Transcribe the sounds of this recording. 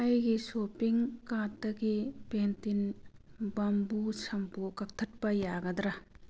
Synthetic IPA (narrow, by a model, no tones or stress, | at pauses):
ɐjɡisopiŋkat̚dɐɡipentin | bɐmbusʰɐmpukɐk̚tʰɐt̚pɐjaɡɐd̪ɾɐ